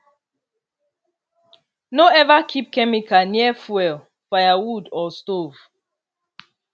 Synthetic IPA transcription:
noɛvakʰip̚kɛmikʰaniɛfwɛl | fajawudɔstov̥

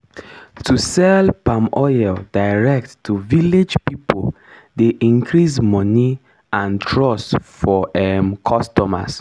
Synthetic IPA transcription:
tʰusɛlpãmɔjɛldaɪɹɛk̚tːʰuviled͡ʒpipʰol | deʔĩŋkʰɹismɔni | ãntʰɹɔsfɔɛmkʰɔstɔma̰s

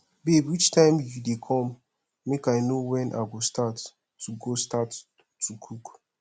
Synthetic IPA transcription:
bebwit͡ʃtãɪ̃mjudekʰɔ̃mː | ekaɪnowɛ̃nʔa̰ɪɡostatː | uɡostat | tːukʰuk

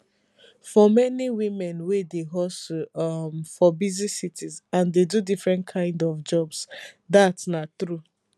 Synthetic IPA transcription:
fɔmɛniwĩmɛ̃nwedeɦɔsomfɔbizisitizãndedudifɹɛ̃ntkʰãɪ̃ndɔfd͡ʒɔbsdatnatɹu

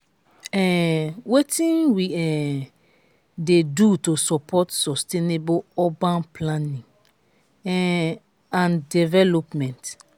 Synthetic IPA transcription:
ɛwetĩnwiɛ | dedutosɔpʰɔtsɔsteneboɔbãnplãnĩŋ | ɛ | ãndɛvɛlɔpmɛ̃nt

